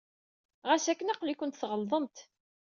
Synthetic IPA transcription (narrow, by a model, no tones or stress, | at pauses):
ʁæsækːənæqlikʷənt̪θʁəlðˤəmt̪